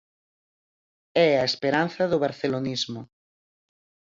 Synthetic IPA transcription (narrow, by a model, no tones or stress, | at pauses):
ɛɐespeɾanθɐðʊβaɾθelonizmʊ